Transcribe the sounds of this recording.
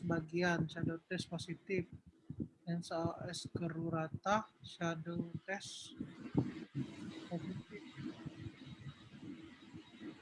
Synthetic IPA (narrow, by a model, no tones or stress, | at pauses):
əbaɡianʃadot̪ɛsposit̪ɪf | ɛnsaʔɛskəɾuɾat̪aʃadot̪ɛs | posit̪ɪf̚